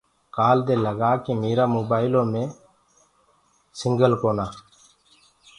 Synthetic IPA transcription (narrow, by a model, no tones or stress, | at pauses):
kaːld̪eːləɡaːkiːmeːɾaːmoːbaːɪlõːmẽː | sɪŋɡəlkoːnaː